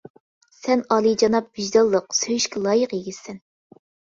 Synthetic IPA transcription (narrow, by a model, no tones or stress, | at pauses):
sɛnɑlˠid͡ʒɑnɑp̚b̥iʒd̪ɑlˠːəqsøjyʃkʲʰɛlˠɑːjəqjeɡʲisɛn